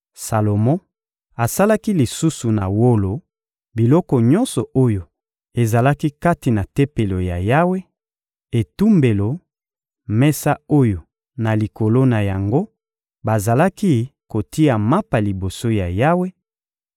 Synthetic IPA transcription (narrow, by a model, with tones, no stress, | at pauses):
sa˨lo˨mɔ̃˦ | a˨sa˦la˦ki˦li˨su˦su˨na̰˨wo˦lo˨ | bi˨lɔ˦kɔ˨ɲɔ˦nsɔ˨ʔo˦jo˨ | e˨za˨la˦ki˦ka˦ti˨na˨te˦pe˨lo˨ja˨ja˦we˦ | e˨tu˦mbe˨lo˨ | mɛ˦sa˦o˦jo˨ | na˨li˨ko˨lo˦na˨ja˨ŋɡo˦ | ba˨za˨la˦ki˦ko˨ti˦a˨ma˦pa˨li˨bo˨so˦ja˨ja˦we˦